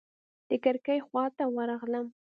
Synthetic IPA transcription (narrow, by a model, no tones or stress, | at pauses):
d̪̥əkaɾkəjxwɑt̪awəɾɑɣləm